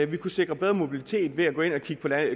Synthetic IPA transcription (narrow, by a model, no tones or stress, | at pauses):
ʋikʰuse̝ɡ̥ʁɐb̥eð̞ˠʁɐmo̝b̥ilit͡sʰe̝̰ːd̥ʋe̝æɡɔ̰̽ːe̝nɒ̽kʰiɡ̥əpʰɒ̽læn